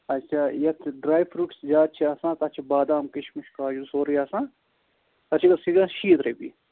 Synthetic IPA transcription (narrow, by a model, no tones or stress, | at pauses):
ɐtːʃʰaːjɐt̪ʰɖɾaːjpʰɾuːʈsd͡ʒaːt̪̚t͡ʃʰiasãːt̪ɐt͡ʃʰibaːd̪aːmkiʃʰmiʃkaːjusoːɾijaːsãː | ɐt͡ʃʰikɐsiɡãʃiːt̪ɾeːbḭ